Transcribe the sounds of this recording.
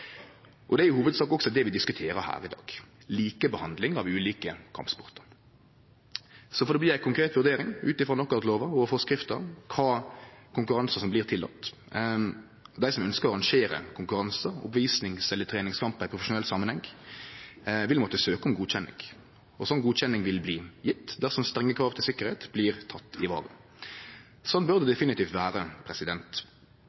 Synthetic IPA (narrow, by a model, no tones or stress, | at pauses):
ʔɔd̪ɛæɾjʊhuːʋəd̪sɑːkɔksɔd̪ɛʋɪd̪ɪskʉt̪ʰeːɾəhæ̰ːɾɪd̪ɑ̰ːɡ̥ | liːkəbəhɑnd̪lɪŋɑʋʉːliːkəkʰɑ̰mpspɔʁt̪ə̥ɾ | sɔfɔd̪ɛːb̪ɪːjæɪkʰʊŋkɾeːt̪ʋʉɾd̪eːɾɪŋʉːt̪ɪfʁoːnɔkːɑt̪loːʋəɔfɔskʁɪft̪əɾkʰɑːkʰʊŋkʉɾɑnsəsɔmbliːʁt̪ʰɪlːɑ̰t̪ː | d̪æɪsɔmœnskəɾɑɾɑŋʂeːɾə̰kʰʊŋkʉɾɑnsəʊ̰pʋiːsnɪŋsɛlːət̪ʰɾeːnɪŋskʰɑmpɪpʰɾʊfəʂʊnɛlsɑːmːənhɛŋ | ʋɪlmɔt̪ːəsøːkəɔmɡuːd̪çɛnːɪ̰ŋ | ɔsɔnːɡuːd̪ɕɛnːɪŋʋɪlbliːjɪt̪ːd̪æʁsɔmst̪ɾɛŋːəkʰɾɑːʋt̪ʰɪlsɪkːəɾheːt̪bliːɾt̪ʰɑt̪ːɪʋɑ̰ːʁə | sɔnːbʉʁd̪əd̪ɛfɪnɪt̪iːft̪ʋæːɾəpʰɾɛsɪd̪ɛnt̪